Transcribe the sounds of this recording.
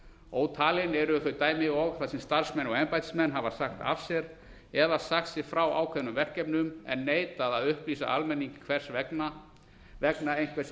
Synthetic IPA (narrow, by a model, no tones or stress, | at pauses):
oːwt̪ʰaːlɪnɛɾʏθʏɾt̪aːjmɪɣɔɣθasɛmst̪aɾ̥smɛnɔɛmpajt̪smɛnːɦavasaxt̪a̰v̥sjɛɾ | ɛðasaxt̪sɛɾfɾawa̰ːwkʰvɛvnʏmvɛr̥cɛpnʏmɛ̰nːeːjt̪aðaðʏhpliːsa̰ʔalmɛnːiŋcɪ̥kʰvɛr̥svɛkna | vɛknaejnkʰvɛs